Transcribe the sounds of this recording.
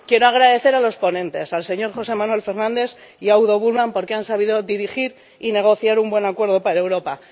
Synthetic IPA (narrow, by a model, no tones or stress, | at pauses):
kje̞ɾoaɣ̞ɾaðe̞θe̞ɾalo̞spo̞nẽ̞nt̪e̞salse̞ɲo̞ɾxo̞se̞mãnwe̞lfe̞ɾnãnd̪e̞θiawðo̞βuɾβampoɾkeansaβ̞iðo̞ðiɾixiɾ | ine̞ɣ̞o̞θjaɾumbwe̞nakwe̞ɾð̞o̞paɾaewɾo̞pa